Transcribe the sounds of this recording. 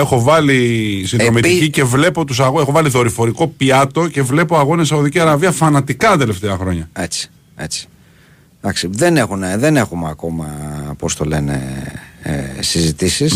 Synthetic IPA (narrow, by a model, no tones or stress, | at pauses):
e̞xo̞vɐlisinðɾo̞miticice̞vle̞po̞t̪usɐɣexo̞vɐliðo̞ɾifo̞ɾiko̞piɐt̪o̞ce̞vle̞po̞ɐɣo̞nesɐoðiciɐɾɐviɐfɐnɐt̪ikɐt̪e̞left̪e̞ɐxɾo̞ɲɐet͡si̥ | e̞t͡si̥ | d̪ɐksiðene̞xuneðene̞xumeɐko̞mɐpost̪o̞le̞nḛ | sizit̪isis